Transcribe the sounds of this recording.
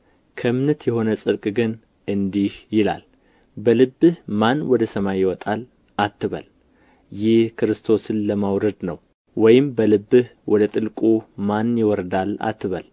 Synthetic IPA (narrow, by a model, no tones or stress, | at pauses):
kʰəmnət̪jɛho̞nəsʼɨɾkʼɡɨn | ɨnd̪ihjɪla̰l | bəlɨbːɨhmanwɔd̪əsəmajɪwɔt̪ʼal | ʔat̪ːɨβə̰l | jɪhkʰɨɾɨst̪ʰo̞sɨnləmawɾəd̪nəw | wɔjɪmbəlɨbːɨhwɔd̪ət̪ʼɨlkʼumanjɪwɔɾd̪ala̰t̪ːɨβə̰l